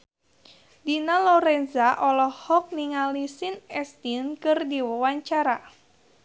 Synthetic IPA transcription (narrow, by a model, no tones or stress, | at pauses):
dinalɔɾɛnzaʔɔlɔhɔk̚niŋalisinɛst̪inkɨrdiwəwaɲt͡ʃaɾa